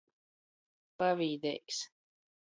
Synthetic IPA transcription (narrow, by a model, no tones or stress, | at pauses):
paviːd̪ɛ̰jks